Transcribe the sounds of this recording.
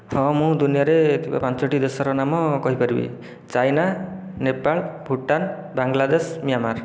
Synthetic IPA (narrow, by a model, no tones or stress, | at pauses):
hɔ̃mũd̪unijaɾeːt̪iba̰pant͡ʃɔʈid̪esɔɾɔnamɔkɔɦipaɾibḭ | t͡ʃajna | nepaɭbʱuʈan | baŋɡlad̪esmijamaɾ